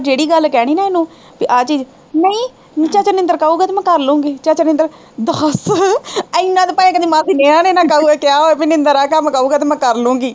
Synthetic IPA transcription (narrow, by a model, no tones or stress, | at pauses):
d͡ʒeːɽiːɡəlkɛːɽ̃iːnaːenũː | piʔaːt͡ʃiːd͡ʒ | nəĩː | t͡ʃaːt͡ʃənɪ̃nd̪əɾkəuːɡaːt̪eːmɛ̃ːkəɾlũːŋɡiːt͡ʃaːt͡ʃənɪnd̪əɾ | d̪əs | əɪnːãːt̪epaːj̃ːkəd̪iːmãːd̪ineːãːneːnãːkəuːaːkɪjaːɦoːeːpinɪ̃nd̪əɾaːkəmkəuːɡaːt̪emɛ̃ːkəɾlũːɡiː